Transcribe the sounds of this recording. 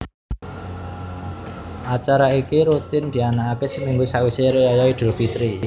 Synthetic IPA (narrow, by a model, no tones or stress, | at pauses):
ʔat͡ʃaɾaikiɾut̪ɪnd̪̥i̤anaːkesəmiŋɡusaʔwiseɾejajɔid̪̥o̤fit̪ɾi